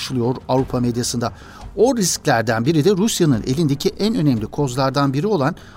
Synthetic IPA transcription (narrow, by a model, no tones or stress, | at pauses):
ʃɯlˠɯjo̞ɾavɾupʰamed̪jasɯnd̪a | o̞ɾisclʲæɾd̪ænbiɾid̪ɛɾusjanɯnʔe̞̰lʲind̪e̞cʰiʔænø̞nɛmlʲikʰo̞zlˠaɾd̪anbiɾio̞lˠan